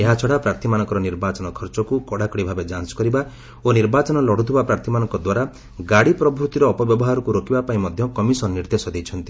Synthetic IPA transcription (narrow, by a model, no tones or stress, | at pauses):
eɦat͡ʃʰɔɽapɾaɾt̪ʰimanɔ̃ŋkɔɾɔniɾbat͡ʃɔnɔkʰɔɾt͡ʃɔkukɔɽakɔɽibʱabed͡ʒanskɔɾiba | oniɾbat͡ʃɔnɔlɔɽ̤ut̪ʰubapɾaɾt̪ʰimanɔ̃ŋkɔd̪waɾa | ɡaɽipɾɔbʱɾut̪iɾɔːpɔbjɔbɔɦaɾɔkuɾokibapaĩmɔd̪ʱjɔkɔmisɔnːiɾd̪esɔd̪ejt͡ʃʰɔnt̪i